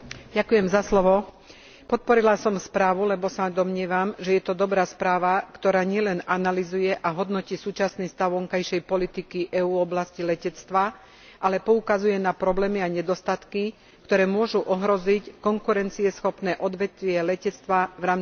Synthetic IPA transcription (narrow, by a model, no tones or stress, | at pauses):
ɟakujɛmzaslɔʋɔ | pɔt̪̚pɔɾilasɔmspɾaːʋulɛbɔsad̪ɔmɲɪɛʋamʒɛjɛt̪ɔd̪ɔbɾaːspɾaːʋakt̪ɔɾaːɲɪɛlɛnanalizujɛʔaɦɔd̪nɔciːsuːt͡ʃasniːst̪aʊʋɔŋkajʃɛjpɔlit̪ikiʔɛuːɔblascilɛcɛt͡st̪ʋa | ʔalɛpɔukazujɛnapɾɔblɛːmiaɲɛd̪ɔst̪at̪ki | kt̪ɔɾɛːmʊɔʒuʔɔɦɾɔzickɔŋkuɾɛnt͡siɛsxɔpnɛːʔɔd̪ʋɛt̪ʋɪɛlɛcɛt͡st̪ʋaʋɾaːm